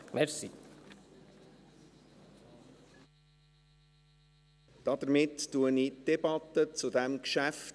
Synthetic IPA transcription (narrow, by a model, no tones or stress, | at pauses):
mɛɾsḭ | d̥ɑd̥̪əɾmɪttuənid̥ɛbɑt̪ət͡sʊdɛmkʃæft